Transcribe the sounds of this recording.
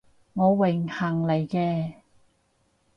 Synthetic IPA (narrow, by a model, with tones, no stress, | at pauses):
ŋɔː˨˧wɪ˨˩ŋhɐ˨˩ŋle˨˧jkɛː˧